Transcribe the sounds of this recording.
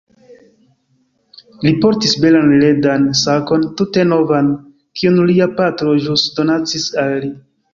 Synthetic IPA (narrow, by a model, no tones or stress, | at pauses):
lipo̞ɾtisbe̞lanledansako̞ntute̞no̞van | kʰionliapatɾo̞ʒusdo̞nat͡sisalːi